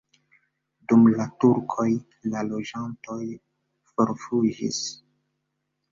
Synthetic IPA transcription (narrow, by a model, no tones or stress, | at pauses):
dumlatuɾkʰo̞j | lalo̞d͡ʒanto̞j | foɾfud͡ʒḭs